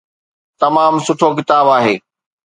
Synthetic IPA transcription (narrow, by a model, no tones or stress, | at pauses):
t̪ɐmaːmsʊʈʰok̬ɪt̪aːbaːɦeː